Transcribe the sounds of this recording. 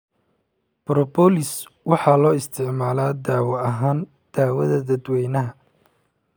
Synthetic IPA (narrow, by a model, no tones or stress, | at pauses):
b̥ɾɔbɔlɪswɑħɑːlɔːɪst̪ʰɪʕmaːlaːd̪aːwɐɐɦaːn | d̪̥aːwɐðɐd̪ɐd̪wɛjnɐɦɐ